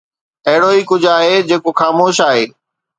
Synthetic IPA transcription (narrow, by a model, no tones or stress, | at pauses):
ɐɦɪɽoiːkʊd͡ʑʱaːɦed͡ʑeːkoxaːmoːʃaːɦeː